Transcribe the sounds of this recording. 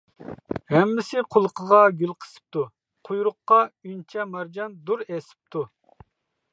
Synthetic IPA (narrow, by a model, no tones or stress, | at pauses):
hɛmːɪsɪqʰʊlˠəqʰəʁɑɡʲylˠqʰə̥sɨ̥p̚t̪u | qʰujɾʊqːɑynt͡ʃʰɛmɑɾd͡ʒɑnd̪uɾɛsɪ̥p̚t̪ʰu